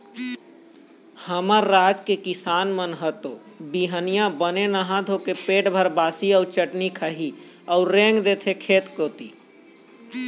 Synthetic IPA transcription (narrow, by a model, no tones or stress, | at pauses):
həməɾːaːd͡ʒkekɪsaːnmənɦət̪oː | biɦənijãbənenəɦãd̪ʱoːkepeːʈbʱəɾbaːsiɔːɾt͡ʃəʈnikʰəɦi | ɔːɾːẽːŋɡd̪et̪ʰekʰeːt̪koːt̪ḭː